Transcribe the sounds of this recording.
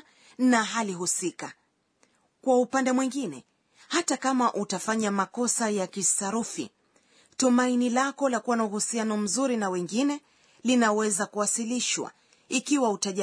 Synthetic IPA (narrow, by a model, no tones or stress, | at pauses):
naɦaliɦusika | kwaupandɛmwiŋɡinɛ | hatakamaʔutafaɲamakɔsajakisaɾufḭ | tumainilakɔlakuwanauhusianɔm̩zuɾinawɛŋɡinɛ | linawɛzakuwasiliʃwa̰ | ikiwautaʄa